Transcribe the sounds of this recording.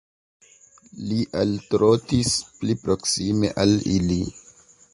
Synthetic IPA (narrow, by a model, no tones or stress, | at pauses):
liʔaltɾotisplipɾo̞ksimḛʔalḭli